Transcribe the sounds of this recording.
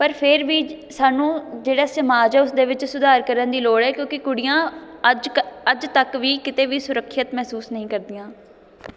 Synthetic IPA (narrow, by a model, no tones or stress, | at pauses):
pəɾpʰɪɾʋiː | saːnũːd͡ʒeːɽaːsəmaːd͡ʒɛːʊsd̪eːʋɪt͡ʃsʊd̪aːɾkəɾənd̪iːloːɽɛːkjõːkɪkʊɽɪjãːəd͡ʒəd͡ʒt̪əkʋiːkɪt̪eːʋiːsʊɾəkʰːət̪mɛːsuːsnəɦĩːkəɾd̪ɪjãː